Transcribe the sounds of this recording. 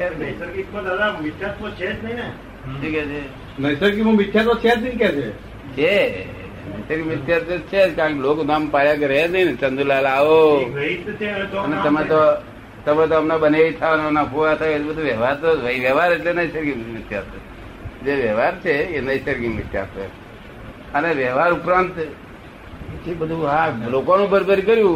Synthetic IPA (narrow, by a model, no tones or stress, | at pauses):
t͡ʃʰeəjsəɾɡitod̪ad̪amɪt̪ʰjat̪ot͡ʃʰed͡ʒnəine | ʈʰiket͡ʃʰe | nəjsəɾɡimũmɪt̪ʰːjat̪̬ot͡ʃʰet͡ʃikɛt͡ʃʰe | t͡ʃʰe | nəjsəɾkimʋɪt̪ʰːjaɾt̪ot͡ʃʰed͡ʒkãkeloknampaɭjaɡəɾenəinet͡ʃənd̪ulalaʋoəit̪t͡ʃʰeoənet̪əmẽt̪o | t̪əmẽt̪̬oəmnabəneʋit̪ʰaneənakʰuʋat̪ʰaebəd̪ʱuʋjɛʋaɾt̪oʋəiʋɛʋaɾeʈlenəisəɾɡimʋɪt̪ja̰ɾt̪ə | d͡ʒeʋɛʋaɾt͡ʃʰeenəisəɾɡiŋʋɪt̪ja̰ɾt̪ə̰ | əneʋɛɦʋaɾupɾãnt̪ | t͡ʃebəd̪ʱuɦãlokonũbəɾbəɾikəɾjũ